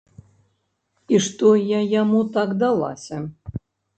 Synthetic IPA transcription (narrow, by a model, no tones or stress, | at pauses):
iʂt̪ojajamut̪akd̪alˠa̰sʲɐ